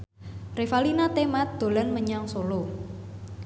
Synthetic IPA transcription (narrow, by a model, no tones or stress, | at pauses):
refalinat̪emat̪̚d̪̥o̤lanməɲaŋsolo